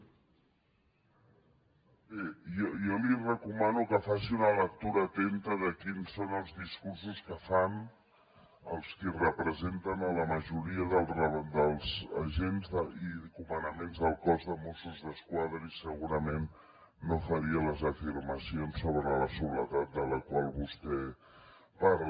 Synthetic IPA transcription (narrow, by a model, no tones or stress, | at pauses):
bejɔjɔlirəkumanukəfasiunələk̚t̪uɾəːt̪ent̪əðəkinsːonəlˠzðiskurs̬uskəfan | əlˠskirəpɾəzent̪ənələməʒuɾiəðəlˠrəd̪əlˠzəʒenzðəikumənəmenzðəlˠkɔzðəmosuzðəskwaðɾəisəɣuɾəmenː | ofəɾiələzəfiɾməsionsːoβɾələsuβlət̪at̪̚d̪ələkwalˠβust̪ɛ | parl